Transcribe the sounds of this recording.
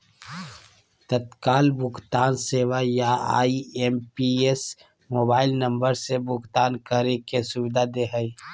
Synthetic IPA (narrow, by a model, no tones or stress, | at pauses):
t̪ət̪kaːlbʊkt̪aːnseːwajaa̰ːiempies | moːbaːɪlnə̃mbəɾsebʊkt̪aːnkəɾekesʊbɪd̪ad̪eɦəi